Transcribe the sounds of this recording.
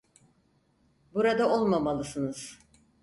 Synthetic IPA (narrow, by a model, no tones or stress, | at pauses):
buɾad̪ao̞lˠmamalˠɯsɯnɯz̥